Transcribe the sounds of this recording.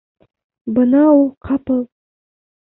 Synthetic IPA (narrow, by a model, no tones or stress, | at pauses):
bənɑulˠqʰɑpəlˠ